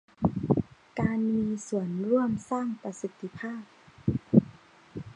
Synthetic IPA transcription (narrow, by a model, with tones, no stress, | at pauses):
kaː˧nmiː˧su˨˩˦ənɾu˥˩əmsaː˥˩ŋpa˧si˧˥t̪ʰːi˧pʰaː˥˩p̚